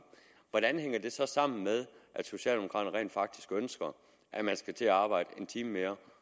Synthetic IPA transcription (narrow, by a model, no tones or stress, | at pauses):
ʋɒɾ̥ænheŋ̰ɐd̥e̝sɒ̽sɑ̈m̰n̩meðˠʔæd̥so̝ɕɛ̰ːld̥emoɑ̰ːd̥ɐʁɛ̰ːnd̥fɑ̈ɡ̥̚d̥i̥sɡ̥ønsɡ̥ɐ | ʔæmænsɡ̥æt͡sʰe̝æɑ̈ːb̥ɑ̈ɪ̰d̥əe̝nt͡sʰiːməmeːɐ